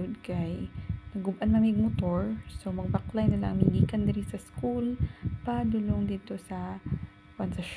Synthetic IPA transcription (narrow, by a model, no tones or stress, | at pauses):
d̪̚kajnɐɡʊbʔanmɐmɪɡ̚mʊt̪oɹsomɐɡ̚bɐklajnɐlɐ̰ŋmiliːkɐnd̪ɐɾinsɐskulpad̪ʊloŋd̪iːt̪osɐ | t̪ɐnsɐʃ